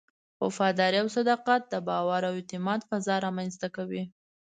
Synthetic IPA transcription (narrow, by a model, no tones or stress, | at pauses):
wa̰fɑd̪ɑɾiawsad̪ɑqat̪̚d̪əbɑwaɾawɪt̪ɪmɑt̪fazɑɾɑmanzst̪akawi